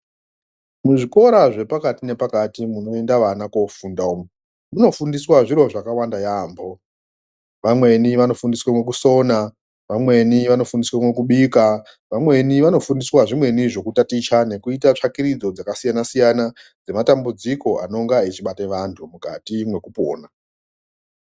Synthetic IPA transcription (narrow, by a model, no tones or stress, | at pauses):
muʐiko̞ɾaʐe̞pakatine̞pakatimuno̞e̞ndaʋanakofundaom | muno̞fundiswaʐiɾo̞ʐakawandajambo̞ | ʋamwe̞niʋano̞fundiswamwe̞kuso̞na | ʋamwe̞niʋano̞fundiswamwe̞kuɓika | ʋamwe̞niʋano̞fundiswaʐimwe̞niʐo̞kutatit͡ʃane̞kuitat͡ʂakiɾid͡zo̞d͡zakasijanasijana | d͡zematambud͡ziko̞a̰no̞ŋɡait͡ʃiɓateʋantʰumuka̰timwe̞kupo̰ːna